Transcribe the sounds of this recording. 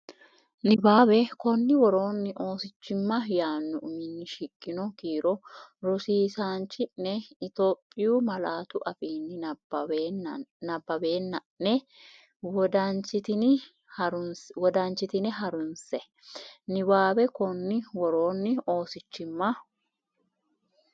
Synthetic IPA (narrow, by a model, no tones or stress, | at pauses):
nɪbaːbɛkɔnːɪwɔɾo̞ːnːɪʔo̞ːsɪt͡ʃːɪmːɐjaːnːʊʔʊmɪnːɪʃɪkʼːɪnɔkiːɾɔɾɔsiːsaːnt͡ʃːɪnɛɪt̪o̞ːpʼːɪjuːmɐlaːt̪ʊʔɐfiːnːɪ | nɐbːɐbe̞ːnːɐ | nɛ | wɔd̪ant͡ʃɪt̪ɪnɪ | ɾʊnswɔd̪aːnt͡ʃɪt̪ɪnɛɦɐɾʊnsɛ | nɪbaːbɛkɔnːɪwɔɾo̞ːnːɪo̞ːsɪt͡ʃːɪmːɐ